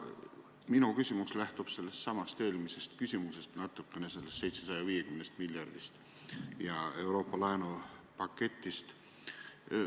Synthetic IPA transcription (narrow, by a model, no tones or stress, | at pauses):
minukysʲimuslæht̪ub̥se̞lːest̪sɑmɑst̪e̞ːlmise̞st̪kysʲimuse̞st̪nɑt̪ːˑukːˑenese̞lːest̪se̞jt̪sesɑjɑviːe̞kymnest̪miljɑrd̪̥ist̪ | jɑe̞wɾo̞ːpːˑɑlɑenupɑkːe̞t̪ːˑist̪